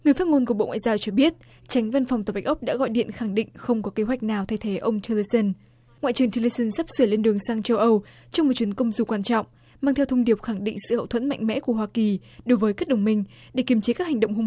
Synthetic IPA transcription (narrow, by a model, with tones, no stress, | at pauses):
ŋɨ˨˩əjfa˦˥t̚ŋo˧nku˧˩ə˩ɓo̰˧˨ŋwa̰ː˧˨jzaː˧wt͡ɕɔ˧ɓi˦˥ət̚ | t͡ɕa˨˦ŋ̟va˧nfa˨˩wŋ͡mt̪aː˨˩ɓa˨˦˥k̚ʔə˦˥k͡p̚ɗa̰ː˧˥ɣɔ̰˧˨jɗḭ˧˨ənxa˧˩ŋɗḭ˧˨ŋ̟xə˧wŋ͡mkɔ˨˦ke˨˦ɦwa˨˩jk̟̚naː˨˩wt̪ʰa˧jt̪ʰe˨˦ʔə˧wŋ͡mt͡ɕ̪ʰə˧lə˧sə˧n | ŋwa̰˧˨t͡ɕɨ˨˩ŋt̪i˧lə˧sə˧nsa˦˥p̚sɨ˧˩əle˧nɗɨ˨˩əŋsaː˧ŋt͡ɕə˧wʔə˧w | t͡ɕɔ˧wŋ͡mmo˨˩t̚t͡ɕi˨˦ənkə˧wŋ͡mzu˨˩kwaː˧nt͡ɕɔ̰˧˨wŋ͡m | maː˧t̪ʰɛ˧wt̪ʰə˧ŋ͡mɗi˨˩əp̚xa˧˩ŋɗḭ˧˨ŋ̟sɨ̰˧˨hə̰˧˨wt̪ʰə̰˧˥nma̰˧jŋ̟mɛ̰˧˥ku˧˩əwaː˧ki˨˩ɗo˨˦jvəː˨˦jkaː˦˥k̚ɗə˨˧˩wŋ͡mmï˧ŋ̟ɗe˧˩ki˨˩əmt͡ɕe˨˦kaː˦˥k̚ha˨˩ŋ̟ɗə˧˨ŋ͡mhʊ˧